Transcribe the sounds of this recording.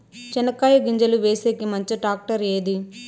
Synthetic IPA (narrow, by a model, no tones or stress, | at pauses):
t͡ʃɛnɐkaːjɐɡiɲd͡ʒɐluʋeːseːkimɐɲt͡ʃiʈaːk̚ʈɐɾeːd̪i